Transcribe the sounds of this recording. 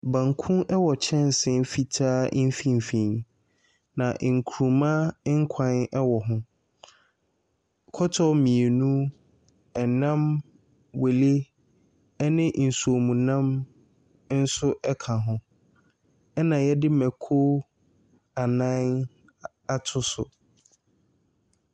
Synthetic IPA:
bã˨ŋkʰũ˦ʔɛ˦wɔ˨t͡ɕʰɛ̃˦n˦sɪ̃˦˨n˦fi˨tʰaː˦n̩˦fĩ˦m˨fĩ˨n˨ | nã˨ʔŋ̩˨kʰu˨ɾũ˨mã˦ŋ̩˦kʰã˦nɛ˦wɔ˨ɦʊ̃˦ | kʰɔ˦tʰɔ˦mĩ˨e˨nũ˦ | ɛ˨nã˦m | we˨le˦ | ɛ˦nɪ̃˦n̩˨su˨o˨mũ˨nã˦m | n̩˦sʊ˦ʔɛ˦kʰã˨ɦʊ̃˦ | ɛ˦nã˨jɛ˦dɪ˦mɛ˨kʰo˦ | a˨nã˦n | a˨tʰʊ˦sʊ̰˨

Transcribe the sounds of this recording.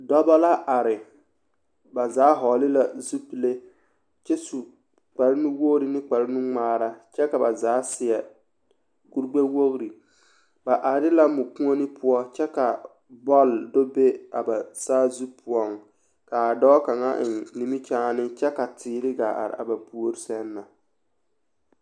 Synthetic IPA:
dɔ˦ba˦la˦ʔa˨ɾɪ˨ | ba˨zaː˨˦ɦɔː˨lɪ˦la˦zu˦pi˨le˦ | t͡ʃɛ˦su˨ | k͡pa˨ɾɪ˦nu˦wo˦ɾi˨nɪ˦k͡pa˨ɾɪ˦nu˦ŋ͡maː˦ɾa˦t͡ʃɛ˦ka˨ba˨zaː˨˦sɪ˨ɛ˨ | ɡ̥u˦ɾɡ͡be˦wo˦ɣɾi˨ | ba˨ʔa˨˦ɾɪ˦la˦mʊ˨kũ˦o˦nɪ˦pʰʊ˦ɔ˦t͡ʃɛ˦ka˨ | bɔ˦ldʊ˦be˦a̰˨ba˨saː˦zu˦pʰʊ˨ɔ˨ŋ | ka˨a˨dɔː˦ka˨ŋa̰˦ʔɪ˨nni˨mi˦t͡ʃaː˦nɪ˦t͡ʃɛ˦ka˨tʰɪː˨ɾɪ˦ɡa̰˨ʔa̰˨ɾ̰a̰˨ba˨pu˦o˦ɾi˦sɛ˦nːa˨

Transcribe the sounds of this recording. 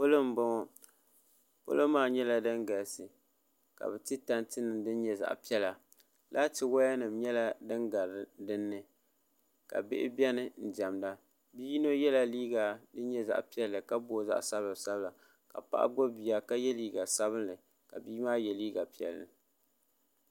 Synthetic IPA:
po˦lɨ˦m˨ba˦ŋɔ˦ | po̰˦lo˦maː˦˨ɲɛ˦la˦dɨ˦ŋɡa˨ɾsɨ˨ | ka̰˨bɛ˨tɨ˦ta˦ntɨ˦nɨ˨mdɨ˦n˦ɲɛ˦za̰˨ʔpi˦ɛ˦la˨ | la˦tɨ˨wa˦ja˦nɨ˨mɲɛ˦la˦dɨ˦ŋɡa˨ɾdɨ˦nːɨ˦ | ka̰˨bɪ̰˦ʔɪ̰˦bi˦ɛ˦nɨ˨n̩˨d͡ʒa˨mda˦ | bi˦no˦jɛ˦la˦liː˦ɡa˨dɨ˦ɲɛ˦za̰˨ʔpi˦ɛ˦lːɨ˨ka˦bo˦˨za̰˦ʔsa˦blɨ˨sa˦bla˨ | ka̰˨pa̰˦ʔa̰˦ɡo˦bi˨ja˨ka˦jɛ˦liː˦ɡa˨sa˦βɨ˦nlɨ˨ | ka˨biː˦maː˦jɛ˨liː˦ɡa˨pi˦ɛ̰˨lːɨ̰˨

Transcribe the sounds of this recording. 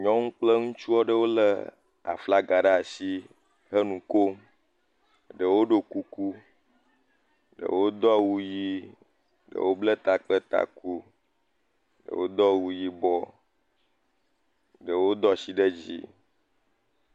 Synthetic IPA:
ɲɔ̃˦ŋũ˦k͡plə˦ŋũ˦t͡ʃu˦ɔ˦ɖə˦wo˦lə˨ | a̰˨fla˦ɡa˨ɖa˦˨si˦ | ɦə˦nũ˨ko˦ | ɖə˨wo˦ɖo˨ku˦ku˦ | ɖə̰˨wo˦d̪ɔ˦wu˦ji˦ | ɖə̰˨wo˦blə˦t̪a˨k͡pə˦t̪a̰˨ku˦ | ɖə̰˨wo˦d̪ɔ˦wu˨ji˦bɔ˦ | ɖə˨wo˦d̪ɔ˦si˦ɖe˦d͡ʑḭ˦

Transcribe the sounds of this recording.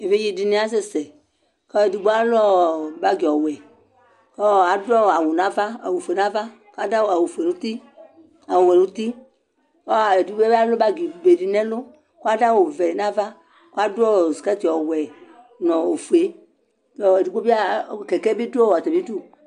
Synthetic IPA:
e˨ve˦ji˦di˨nɛ̃˦a˦sɛ˦sɛ˨ | kɔ˦e˨du˨ɡ͡bo˦a˦lɔ˦ba˦ɡi˨ɔ˨wɛ˨ | kɔ˦˨a˨dɔ˦˨a˨wo˨n˨ã˨˦va˦a˨wo˨fe˨nã˦va˦ | ka˦da˦wa˨wo˨fu˨e˨nũ˦t̪i˦ | a˨wo˨wɛ˨nũ˦t̪i˦ | kɔ˦˨e˨du˨ɡ͡bba˦lo˦ba˦ɡi˨be˨di˨nɛ̃˦lo˦ | ko˦a˦da˦wo˨vɛ˨nã˦va˦ | kʷo˦a˦dɔ˦˨si˨kɛ˦t̪i˨ɔ˨wɛ˨ | nɔ̃˨o˨fu˨e˦ | tɔ˨e˨du˨ɡ͡be˦bi˦a˦˨kɛ˨kɛ˦bi˦dɔ˦wa˨t̪ɛ˨bi˦du˦

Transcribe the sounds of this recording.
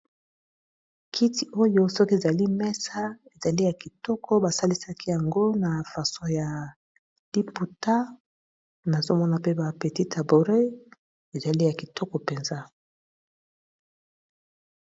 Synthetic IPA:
kʰi˦ti˨ʔo˦jo˦sɔ˦ke˨za˨li˦mɛ˦sa˦e˨za˨li˦ja˨ki˨tɔ˦kʰɔ˦ba˨sa˦li˦sa˦kʰi˦ja˨ŋɡo˦na˨fa˨so˦ja˨ | d̥i˦pu˨ta˦ | na˨zo˦mɔ˦na˨pe˦ba˨pe˨ti˦ta˨bo˨ʁe˦ | e˨za˨li˦ja˨ki˨tɔ˦kɔ˨pe˨nza˦

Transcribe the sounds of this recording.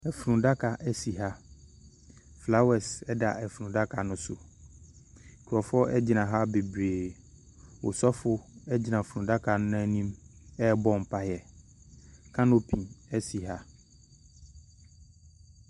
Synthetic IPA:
ɛ˨fɾũ˨da˦kʰa˨ʔɛ˦si˨ɦa˦ | fla˦wɛ˨sɛ˦da˨ʔɛ˨fũ˨da˦kʰa˨nʊ̃˦sʊ˨ | kʰɔ˨fɔ˦ɛ˦d͡ʑi˨nã˨ɦa˦be˨bɾeː˨ | wo̰˨sɔ˦fʊ˦ɛ˦d͡ʑi˨nã˨fũ˨da˦kʰa˨nʊ̃˦ɛ˦nĩ˦mɛ˦bɔ˦m̩˨pa˦jɛ˨ | kʰã˦no˦pʰĩ˨ɛ˦si˨ɦa˦

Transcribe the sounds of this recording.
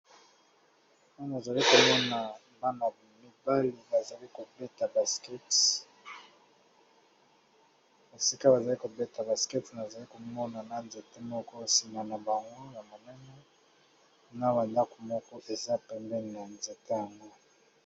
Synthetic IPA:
na˦na˨za˨li˦ko˨mɔ˦na˨ | ba˦na˨ba˨mi˦ba˦li˨ba˨za˨li˦ko˨bɛ˦ta˨ba˨skɛ˦t | o˨si˦ka˦ba˨za˨li˦ko˨bɛ˦ta˨ba˨skɛ˦tna˨za˨li˦ko˨mɔ˦na˨na˦nze˨te˦mɔ˦kɔ˦si˨ma˨na˨ba˨ŋɡo˦ja˨mo˨nɛ˦nɛ˦ | na˦βa˨nda˦ko˨mɔ˦kɔ˦ʔe˨za˦pɛ˨mbɛ˦na˨nze˨ta˦ja˨ŋɡo˦

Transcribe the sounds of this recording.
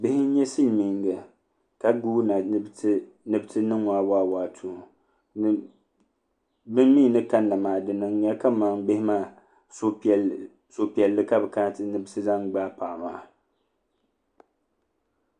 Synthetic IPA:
bɪ˦hɪ˦n̩˦ɲɛ˦si˦lmi˨˦ŋɡa˨ | ka˨ɡuː˦na˨˦ | nɨ˦btʰɨ˦nɨ˦ŋwaː˨˦waː˦˨waː˨˦˨tʰu˨ | n˦ | bɨ˦m˦mi˦˨nɨ˦ka˦nːa˨maː˨dɨ˨nɨ˦ŋɲa˦ka˦ma˨ŋɡ͡bɪ˦hɪ˦maː˦˨ | so˦˨ | so˨pi˨ɛ˨lːɨ˦ka˦bɛ˨ka˦tɨ˦nɨ˦˨bsɨ˦za˦ŋɡ͡baː˦pa˨ma̰ː˨˦˨

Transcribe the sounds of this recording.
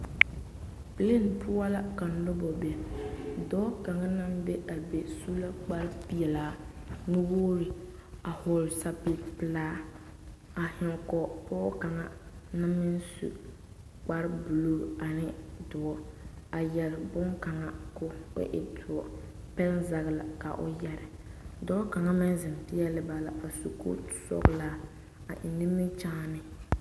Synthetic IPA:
pɪ˨le˦n˨pʊ˦a˦la˦ka˨n̩˨lʊ˦bɔ˨bɛ˨dɔː˦ka˨ŋa˦na˦m˦be˦a˨be˨su˦la˦k͡pa˦ɾɪ˦pi˦ɛ˨laː˨˦nu˦boː˦ɾɪ˨ | a˨hʊ˨ɾɪ˨sa˦pɪ˦pɪ˨laː˦ | a˨hɪ˨kɔ˨pɔː˦ka˨ŋa˦na˦mɪ˦n˦sṵ˨ | k͡pa˦ɾɪ˦bu˨lo˦ɡa˨nɪ˦dʊ˨ɔ˨ | a˨jɛ˨ɾɪ˨bʊ˦ŋka˨ŋa˦kʊ˦ʊ̰˦ʔɪ̰˨tʰʊ˨ɔ˨ | pɛ˦lza˨ɣɪ˨la̰˨ka̰˨ʔʊ̰˦jɛ˨ɾɪ˨dɔ˦ɔ˦ka˨ŋa˦mɪ˦n˦zɪ˨mpɪ˦ɛ˦lɪ˦ba˨la˨a˨su˨kṵ˦sɔ̰˦ɡlaː˦ | a˨ʔɪ˨nɪ˦mɪ˦t͡ʃa˦nɪ˦

